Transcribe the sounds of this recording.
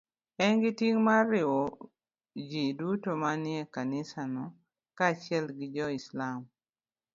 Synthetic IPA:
ɛnɡɪtiŋmaɾɪo | d͡ʒidutomanɪɛkanɪsanɔ | kat͡ʃɪɛlɡɪd͡ʒɔɪslam

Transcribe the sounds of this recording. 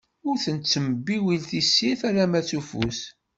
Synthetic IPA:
ʊɾθənt͡sːəməbːiwilθisːiθaɾamæt͡sufṵs

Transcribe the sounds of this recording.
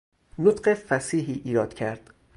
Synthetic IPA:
not̪ɢefæsiːɦiːʔiːɾɒːd̪̥cʰæɾd̪̥

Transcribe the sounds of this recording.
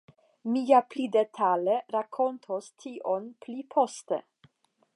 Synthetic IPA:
mijaplid̪et̪ʰaleɾakʰont̪ʰostʰiʔonplipʰost̪ḛ

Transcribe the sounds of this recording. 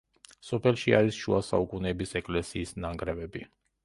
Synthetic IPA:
sɔpʰɛlˠʃiaɾisʃuasa̰ukʼunɛːbisɛkʼlɛsiːsnaŋɡɾɛvɛbi

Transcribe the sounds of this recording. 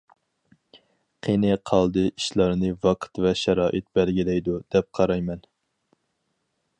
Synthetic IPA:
qʰenɨqʰɑlˠd̪ɨiʃlˠɑɾnɨvɑqʰt̪vɛʃɛɾɑːʔɨt̪̚bɛlɡʲilɛjd̪ud̪̥ɛp̚qʰɑɾɑjmɛn

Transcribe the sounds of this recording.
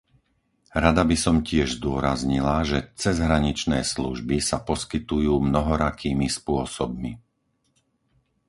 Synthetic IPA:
ɾad̪abisɔmcɪɛʒzd̪ʊɔɾazɲilaʒɛt͡sɛzɦɾaɲit͡ʃnɛ̰ːslṵʒbisapɔskit̪ujuːmnɔɦɔɾakʰiːmispʊɔsɔb̚mi

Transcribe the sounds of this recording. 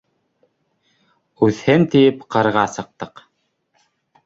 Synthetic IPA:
ʉθhɘnt̪ijɘpqɤ̆ɾʁɑsɤ̆q̚t̪ɤq

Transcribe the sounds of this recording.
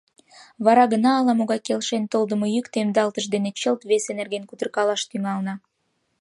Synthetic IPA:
βɑɾɑɣənɑːlɑmoɣɑjkelʃent̪old̪əmojykt̪emd̪ɑlt̪əʃd̪enet͡ɕəlt̪βesenerɡenkud̪ərkɑlɑʃt̪yŋɑlnɑ

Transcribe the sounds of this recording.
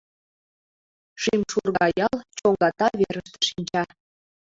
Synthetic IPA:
ʃimʃurɣɑjɑlt͡ɕoŋɡɑt̪ɑβeɾəʃt̪ĕ̥ʃinʲt͡ɕɑ

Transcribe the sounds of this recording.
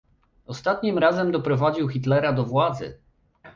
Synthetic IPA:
ɔst̪at̪ɲimɾazɛmd̪ɔpɾɔvad͡ʑiwxʲit̪lɛɾad̪ɔvwad̪zɘ̰

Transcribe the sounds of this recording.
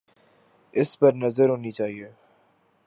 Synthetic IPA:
ɪspɐɾnɐzəɾɦoːnit͡ʃaːɦieː

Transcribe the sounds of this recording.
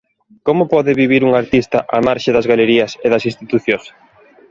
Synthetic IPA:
komʊpɔðɪβiβiɾuŋaɾt̪ist̪ɐʔamaɾʃɪðɐzɣaleɾiɐseðɐsĩst̪it̪uθjõs

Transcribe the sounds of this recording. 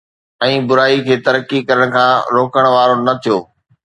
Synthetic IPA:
ɛ̃ːbʊɾaːikʰeːt̪ɐɾəkːikɐɾəɽ̃̆kʰãːɾoːkəɽ̃ʋaːɾonɐt̪ʰijoː

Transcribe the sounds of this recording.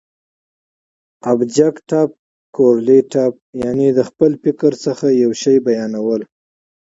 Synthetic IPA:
abd͡ʒakʈɑp̚ | koɾleʈɑp̚janed̪əxpəlpɪkəɾsəxajawʃəjbajɑnawəl

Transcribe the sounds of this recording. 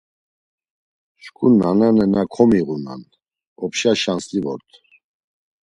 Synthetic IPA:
ʃkʰʼunananɛnakʰɔmiʁuna̰n | ɔpʰʃaʃanslivɔ̰ɾt̪ʰ

